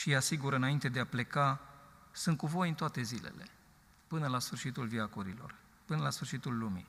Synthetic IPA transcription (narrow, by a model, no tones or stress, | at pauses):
ʃijasiɡuɾɨnaint̪e̞d̪eaple̞kasɨnt̪̚kuvo̞jɨnt̪oat̪e̞zile̞̰le̞̰ | pɨnəlasfɨrʃit̪ulviakoɾilo̞̰r | pɨnəlasfɨrʃit̪ulːumḭ